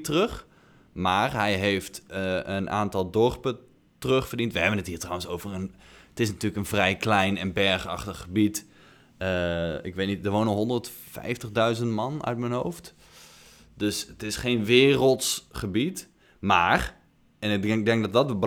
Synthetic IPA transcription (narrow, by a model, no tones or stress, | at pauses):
tərøχ | maːrɦɛjɦejftəənʔa̰ːntɔlˠdɔɹpə | trøχfərdintʋəɦɛbənətɦiːtrawənsowvərəntɪsnatyːləkənvrɛjklɛjnɛnbɛɹχɑχtəχːəbit | əɪkʋeːtnitdəʋoːnənɦɔndərtfɛ̰jftəχdœɥzəntmɑnœ̰ɥtmənɦowft | døsətɪsχeːnʋɪːrəlˠtsχəbit | maːr | ɛnɪɡ̚dɛŋk̚dɔtdɔtəbə